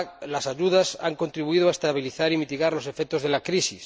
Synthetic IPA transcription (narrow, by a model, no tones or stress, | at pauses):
lasaʝuðasaŋko̞nt̪ɾiβuiðoaest̪aβiliθaɾimit̪iɣaɾlo̞se̞fek̚t̪oðelakɾisis